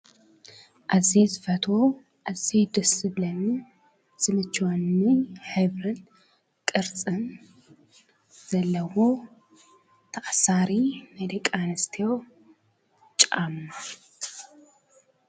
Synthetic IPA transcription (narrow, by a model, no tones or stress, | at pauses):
ʔazezɨfɐt̪ʰwo | ʔazed̪ɐsɨβlɐnɨ | z̥ɨmɨt͡ʃːwonːɨħɨβɾɨn | kʼɨɾt͡sʼɨn | z̥ɐlːɐwo̞ | t̪ʰɐxʼsaɾimɐd̪ɐkʼanɨst̪ʰijo̞ | t͡ʃʼamːa